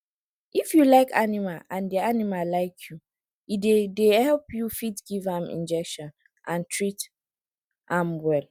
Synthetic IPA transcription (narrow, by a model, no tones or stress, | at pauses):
ʔifjulaɪkʰanimalãndianimalaɪkʰju | idedehɛlpjufitɡ̥ivãmḭ̃nd͡ʒɛkʃɔ̃n | ʔãntʰɹit | ʔãmwɛl